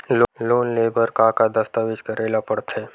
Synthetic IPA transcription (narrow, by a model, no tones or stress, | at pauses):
lloːnleːbəɾkakad̪əst̪aʋɪd͡ʒkɐɾʔeːlapɐɽt̪ʰeː